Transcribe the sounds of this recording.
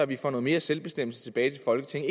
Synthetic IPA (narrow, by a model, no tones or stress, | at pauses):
ɒæʋifɒ̰ːnoːð̩ˠme̝ːɐselb̥e̝sd̥em̰l̩sət͡sʰe̝b̥ɛːɪt͡sʰe̝lfɒ̽lɡ̥ət͡sʰe̝ŋ